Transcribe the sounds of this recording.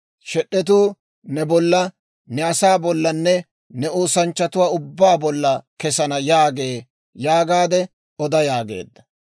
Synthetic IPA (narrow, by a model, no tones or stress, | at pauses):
ʃɛɗːɛt̪̬uː | nɛbɔlːɐ | nɛɐsaːbɔlːɐnːɛ | nɛoːsɐnt͡ʃːɐt̪ʊwaːʊbːaːbɔlːɐkɛsɐnɐjaːɡeː | jaːɡaːd̪ɛ | ɔd̪ɐjaːɡḛːd̪ːɐ̥